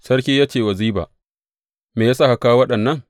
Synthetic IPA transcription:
sɐ˦rkʲiː˦jaː˦t͡ʃeː˨wɐ˨ziː˦ba̰ː˨ | meː˨jaː˦sa˦ha˨kaː˦wɐ˦ɗɐ˨nːɐ˦ŋ

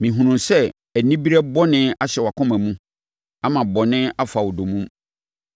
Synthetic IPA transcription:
mĩ˨ɦũ˨nũ˨sɛ˦ | æ˨nĩ˦bi˦ɾɛ˦bɔ˦nɪ̃˦a˦ɕɛ˨wa˨kʰɔ̃˦mæ̃˨mũ˦ | a˦mã˨bɔ˨nɪ̃˦a˦fa˨wɔ˨do˨mũ˦m

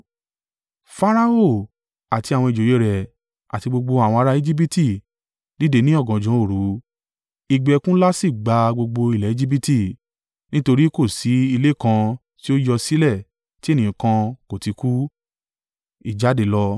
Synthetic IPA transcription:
fa˦ɾa˧˦o˦˨ | a˨ti˧a˨wɔ̃˧i˨d͡ʒo˨je˨˦ɾɛ˨ | a̰˨ti˧ɡ͡bo˧ɡ͡bo˧a˨wɔ̃˧a˧ɾa˧i˧d͡ʒi˦b̬i˦ti˦˨ | di˦de˧˦nĩ˦ɔ˦˨ɡɔ̃˨d͡ʒɔ̃˨˦o˦˨ɾu˨˦ | i˧ɡ͡bɛ˧kũ˦la˦si˦˨ɡ͡ba˧ɡ͡bo˧ɡ͡bo˧i˨lɛ˨i˦d͡ʒi˦bi˦ti˦˨ | nĩ˦to˧ɾi˦ko˦˨si˨˦i˧le˦˨kã˧ | ti˦o˦jɔ˧si˦lɛ˦˨ | ti˦e˦˨nĩ˨˦kã˧ko˨ti˧ku˦ | i˦˨d͡ʒa˨˦de˨˦lɔ˧

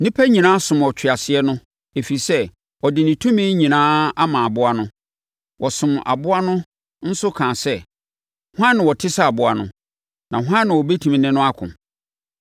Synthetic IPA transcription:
nĩ˦pʰæ˦ɲĩ˨nãː˦sʊ̃˨mɔ˨t͡ɕʰᶣɪ˨a˨sɪ˨ɛ˦nʊ̃˦ | e˨fi˨i˨sɛ˦ | ɔ˨dɪ˨nɪ̃˨tʰũ˦mĩ˦ɲĩ˨nãː˦a˦mãː˨a˨bʊ˦a˦nʊ̃˦ | wɔ˨sʊ̃˨ma̰˨bʊ˦a˦nʊ̃˦ | n̩˦sʊ˦kʰãː˨sɛ˦ | hʊ˦ã˦nːɪ̃˨wɔ˨tʰɪ˦sa˦a˨bʊ˦a˨nʊ̰̃˦ | nã˨ɦã˦nːɪ̃˨wɔ˨be˦tʰũ˨m̃˨nɪ̃˦nʊ̃˦a˦kʰʊ̰̃˨

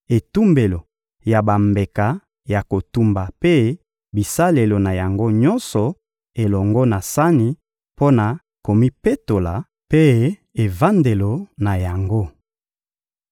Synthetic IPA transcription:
e˨tu˦mbe˨lo˨ | ja˨ba˨mbe˨ka˨ | ja˨ko˨tu˦mba˨pe˦ | bi˨sa˦le˨lo˨na˨ja˨ŋɡo˦ɲɔ˦nsɔ˨ | e˨lɔ˨ŋɡɔ˦na˨sa˦ni˨ | po˦na˨ | ko˨mi˦pe˦to˨la˨ | pe˦ | e˨va˦nde˨lo˨na˨ja˨ŋɡo˦

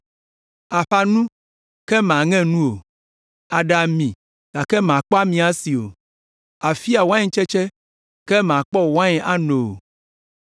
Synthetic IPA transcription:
a˨ɸa˨nũ˦ | kɛ˦mã˨ŋɛ̃˦nũ˦o˨ | a˨ɖa˨mĩ˨ | ka˨kɛ˦mã˨k͡pɔ˦a˦mĩ˨a˦si˨o̰˨ | a˨fi˦a˨wã˦ɲe˦t͡ʃɛ˦t͡ʃɛ˦ | kɛ˦mã˨k͡pɔ˦wã˦ɲɛ˦ʔa˦nõ˨o˨

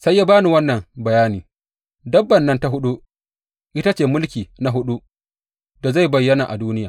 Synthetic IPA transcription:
sa˦jːa˦baː˦nu˨wɐ˦nːɐ˨ŋbɐ˨jaː˦niː˨ | dɐ˦bːɐ˨nːɐ˦nta˦ɦʊ˦ɗu˦ʔ | ʔɪ˦ta˦t͡ʃeː˨mʊ˦lkʲiː˨na˦ɦʊ˦ɗu˦ | da˨za˦˨jbɐ˨jːɐ˦na˨ʔa˨duː˦nɪ˦jaː˨

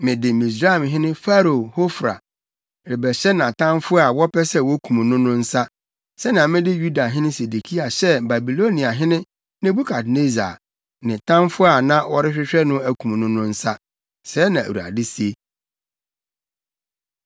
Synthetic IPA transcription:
mɪ̃˨dɪ˨mĩ˨s̬ɾa˦˨mɦɪ̃˦nɪ̃˦fa˦ɾo˨ho˦fɾa̰˨ | ɾɪ˨bɛ˨ɕɛ˦nã˨tʰã˦mfʊ˦a˨wɔ˦pʰɛ˦sɛ˦˨wɔ˦kʰũ˨mũ˨nʊ̃˦nʊ̃˦n̩˦sa˦ | sɛ˦nã˨mɪ̃˦dɪ˦ju˦da˨ɦɪ̃˦nɪ̃˦se˨de˨kʰi˦a˨ɕɛ˦ba˨bi˨lo˦nĩ˨a˨ɦɪ̃˦nɪ̃˦ | nɪ̃˦bu˦kʰa˨dne˦za̰˨ | nɪ̃˨tʰã˦mfʊ˦a˨nã˦wɔ˦ɾɪ˦ɕᶣɪ˦ɕᶣɛ˦nʊ̃˦æ˦kʰũ˨mũ˨nʊ̃˦nʊ̃˦n̩˦sa˦ | sɛː˨˦nã˨æ̰˨wu˨a̰˨dɪ˦si˦e˦

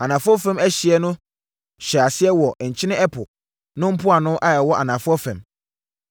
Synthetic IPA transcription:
a˨nã˨fʊ˦ɔ˦fɛ̃˦mæ˦ɕi˨ɛ˦nʊ̃˦ | ɕɛ˨a˨sɪ˦ɛ˦wɔ˨ɲ̩˨t͡ɕʰɪ˦nɪ̃˦ɛ˦pʰʊ˨ | nʊ̃˦m̩˦pʰʊ˦a˨nʊ̃˦ʔa˦jɛ˨wɔ˦ʔa̰˨nã˨fʊ˦ɔ˦fɛ̰̃˨m

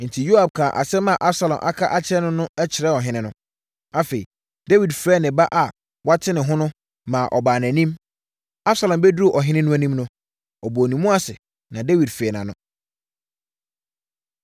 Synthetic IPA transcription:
n̩˨tʰi˨jo˦a˨b̚kʰã˨ʔa̰˨sɛ˦mã˨ʔa˦bsa˨lɔ̃˨mʔa̰˦kʰa˦ʔa˦t͡ɕʰɪ˦ɾɛ˦nʊ̃˦nʊ̃˦ɛ˦t͡ɕʰɪ˨ɾɛ˦ɔ˨ɦɪ̃˦nɪ̃˦nʊ̃˦ | a˦fe˨i˨ | da˦wi˨dfɾɛː˦nɪ̃˨ba˦ʔa˨ | wa˦tʰɪ˦nɪ̃˨ɦʊ̃˦nʊ̃˦ | mã˨ʔɔ˨baː˨næ̃˨nĩ˦m | a˦b̥sa˨lɔ̃˨mbɛ˦du˦˨ʔɔ˨ɦɪ̃˦nɪ̃˦nʊ̃˦æ˦nĩ˦mnʊ̃˦ | ɔ˨boː˨nĩ˨˦mũ˦a˦sɪ̰˨ | nã˨de˦wi˨dfɛ˨nã̰˨nʊ̃˦˨

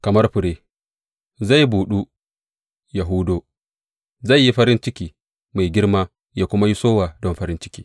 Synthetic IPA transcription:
kɐ˨mɐ˦rɸʊ˨ɽeː˦ | za˦˨jbuː˨ɗu˦ | ja˨ɦʊ˦doː˦ | za˦˨jːi˦ɸɐ˦ɾɪ˦nt͡ʃɪ˦kʲiː˦ | ma˨jɡʲɪ˦rmaː˦ | jaː˦kʷʊ˦ma˦ji˦soː˦waː˨dɔ˦mɸɐ˦ɾɪ˦nt͡ʃɪ̥˦kʲiː˦

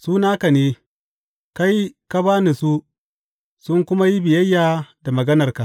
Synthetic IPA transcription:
suː˦naː˦ka˨neː˦ | ka˦jka˦baː˦ni˨su˦ | sʊ˦ŋkʷʊ˦ma˦ji˦bɪ˨jɐ˦jːaː˨da˨mɐ˨ɡɐ˦nɐ˨rka˨

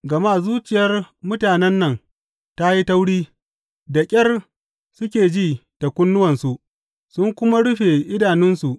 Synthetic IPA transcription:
ɡɐ˨ma˦˨zuː˦t͡ʃɪ˨jɐ˦rmʊ˦taː˨nɛ˦nːɐ˨ŋ | ta˦ji˦ta˦wɽiː˦ | da˨kʲʼɐ˦r | sʊ˦kʲeː˨d͡ʒiː˦d̥a˨kʷʊ˦nːʊ˦wɐ˨nsu˨ʔ | sʊ˦ŋkʷʊ˦ma˦ɽʊ˦ɸe˨ʔɪ˦daː˨nɪ˦nsu˨ʔ

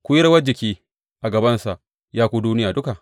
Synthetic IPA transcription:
kʷu˦jɪ˦ɾɐ˦wɐ˦d͡ʒɪ˨kʲiː˦ | ʔa˨ɡɐ˨bɐ˦nsa˨ʔ | jaː˦kʷuː˦duː˦nɪ˦jaː˨dʊ˦ka˨ʔ

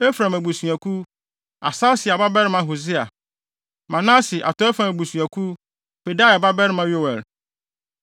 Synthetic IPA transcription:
e˦fɾã˨mæ˨bu˨su˨æ˨ku˦ | a̰˨sa˦sɪ˨a˨ba˦bɛ˦ɾɪ˦mã˨ɦo˨zɪ˦a˨ | mã˨nã˦sɪ˨ʔa̰˨tʰɔ˦ɛ˦fɾã˨mæ˨bu˨sũ˨æ˨kʰu˦ | pe˨da˦˨ɛ˨ba˦bɛ˦ɾɪ˦mã˦ɥo˦˨wɛ˨l

